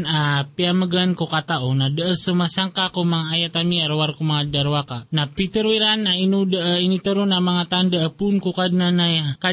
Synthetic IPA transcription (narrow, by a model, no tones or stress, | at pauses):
napiaməɡankokat̪aʔunadəəsumasaŋkakomaŋajat̪amiaɾwarkumaadaɾwakanahpit̪əɾwiɾanainudəʔəinit̪əɾunamaŋat̪andəʔəpunkukadənanajaka